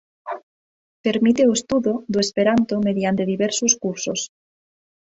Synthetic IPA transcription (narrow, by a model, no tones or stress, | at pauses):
pe̞ɾmit̪eoest̪uðod̪oespeɾant̪ome̞ðjant̪e̞ðiβeɾsoskuɾsos